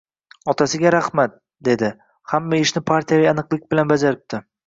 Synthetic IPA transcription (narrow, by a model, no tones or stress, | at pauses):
ɒt̪ʰasɪɡʲaɾahmat̪̚ | d̪e̞d̪ɪ | hamːaɪʃnɪpʰaɾt̪ʰijavijanɨqlˠɪkʲbɪlanbad͡ʒaɾɪp̚t̪ʰɪ